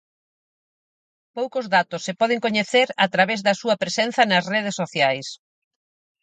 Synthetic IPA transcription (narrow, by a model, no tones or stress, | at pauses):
powkozðat̪ʊsːepɔðeŋkoɲeθeɾat̪ɾaβɛzðɐsuɐpɾesenθɐnɐsreð̞esːoθjajs